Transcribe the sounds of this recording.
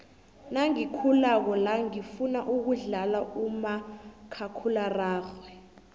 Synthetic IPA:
naŋikʰulak̬ɔlaŋifunaʔuk̬uɮalaumakʰakʰularaːxwɛ

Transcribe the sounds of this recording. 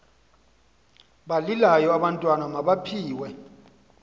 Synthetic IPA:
ɓalilajɔaɓantʼwanamaɓapʰiːwɛ

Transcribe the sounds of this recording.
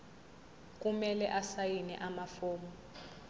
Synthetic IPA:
k̬ʼumɛlɛʔasajinɛ̰ʔamafoːmɔ

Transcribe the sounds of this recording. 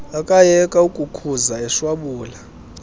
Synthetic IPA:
akʼajɛkʼaukʼukʰuzaɛʃwaɓuːla

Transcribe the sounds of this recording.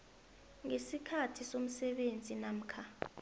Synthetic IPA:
ŋesikʰatʰisom̩sɛɓend͡zʱinam̩kʰa

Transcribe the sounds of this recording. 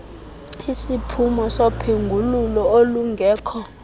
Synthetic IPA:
isipʰumɔsopʰeŋɡʱululɔoluŋɡʱɛːkʰɔ

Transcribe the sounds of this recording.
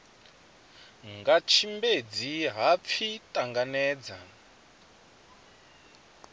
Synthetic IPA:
ŋɡat͡ʃʰimbed͡ziɦap̪fʰitʼaŋɡanɛːd͡za

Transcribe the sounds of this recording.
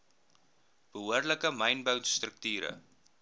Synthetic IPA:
b̥əɦuərləkəmɐjnbœwnst̪rək̚tyːɾə̰

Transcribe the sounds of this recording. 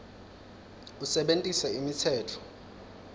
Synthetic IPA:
usɛɓentʼisɛimit͡sʰɛːtʰɔ̥

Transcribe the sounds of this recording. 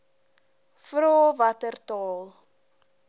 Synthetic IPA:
fɾoːvɐtərtɑːlˠ

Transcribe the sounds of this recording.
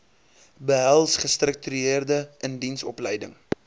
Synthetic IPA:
bəɦælˠsχəstrək̚tyeərdəʔəndinsɔplɛjdəŋ

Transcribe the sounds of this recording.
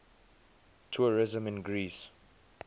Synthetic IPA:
tʰuəɹɪzə̃mɪ̃nɡɹiːs

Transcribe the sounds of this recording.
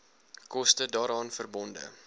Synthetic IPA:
kɔstədɑːɾɑːnfərbɔndə̰

